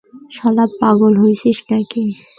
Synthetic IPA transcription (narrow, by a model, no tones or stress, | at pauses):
ʃɔlabpaɡolɦojʃiʃnaki